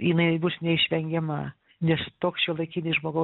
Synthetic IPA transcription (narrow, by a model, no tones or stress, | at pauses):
jɪnɐɪbusnʲɛɪʃʲʋʲɛŋʲɡʲɛmɐ | nʲɛst̪oːksʃʲiɛlˠɐɪkʲiːnʲɪsʒmoːɡɐʊ